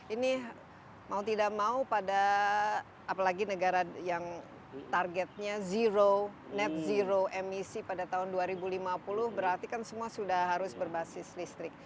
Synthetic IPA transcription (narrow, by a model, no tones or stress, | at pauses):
ini | maut̪idak̚maupadaː | palaɡinəɡaɾajaŋ | t̪arɡɛt̪̚ɲaziɾo | nɛt̪̚ziɾoɛmisipadat̪aɦʊnduaɾibulimapulʊhbəɾart̪ikansəmuasudahɦaɾʊsbərbasɪslist̪ɾɪk̚